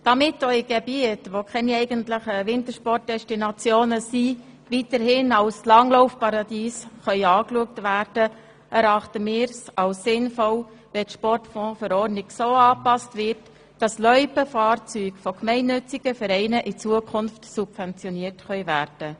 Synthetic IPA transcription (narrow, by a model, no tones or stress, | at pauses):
d̥ɑmɪtoiɡ̥ɛbiətʋokʰχɛniɛɪɡəntləχəʋɪntəɾʃpɔrt̚d̥ɛʃtinɑt͡sjoːnəsi | ʋitəɾhɪnɑlslɑŋlɔʊfpɑɾɑdiːsχœʏɑːkluək̚tʋæːrd̥ə | ɛɾɑχtəmɪːɾsɑwsːɪnfɔl | ʋɛtʃpɔrtfɔ̃ːfəɾɔrnɪksoːɑːpɑstʋɪrt | d̥ɑslœʏpəfɑːrt͡syːɡfɔkmɛɪnːʏt͡sɪɡ̥əfɛɾɛɪnəʔɪt͡suəkʰʊnftsub̥vɛnt͡sjɔniərtχœʏvæːrd̥ə